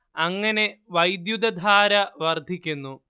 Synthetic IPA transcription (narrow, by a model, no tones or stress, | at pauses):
ɐŋːɐne̞ʋɐjd̪jud̪ɐd̪ʱaːɾɐʋɐrd̪ʱikʲːunːu